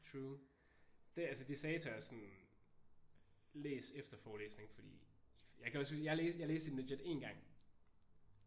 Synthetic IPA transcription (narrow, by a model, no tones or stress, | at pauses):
t͡sʰʁuː | d̥eælsəd̥isɛɪt͡sʰɐæɐsɒ̽n | leːsefd̥ɐfɒːleːsne̝ŋfɒd̥ḭːjäɪkʰæɒ̽sijäleːsjaleːsd̥eneded̥e̝̰nɡ̥ɑ̈ŋ̰